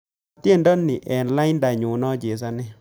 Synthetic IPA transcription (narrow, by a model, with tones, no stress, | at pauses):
te˦˨ndɔ˦nːɪ˨ʔɛ˨nla˦ɪ˦nda˨ɲu˨nɔ˦d͡ʒe˨s̬a˦nɪ˦